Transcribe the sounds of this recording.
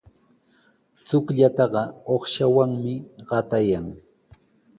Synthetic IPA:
t͡sʊkʎat̪ɑɢɑoχʃawaŋmɪɢ̥ɑt̪ajaŋ

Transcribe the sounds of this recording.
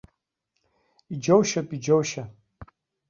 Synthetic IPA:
id͡ʒowʃapʼid͡ʒowʃa

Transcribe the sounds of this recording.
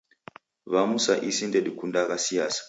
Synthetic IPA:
βamusaʔisindedikundakasijaːsḁ

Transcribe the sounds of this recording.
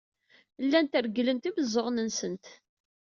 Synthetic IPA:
lːænt̪əɾɡələnt̪ibəzˤːəʁnənsənt̪

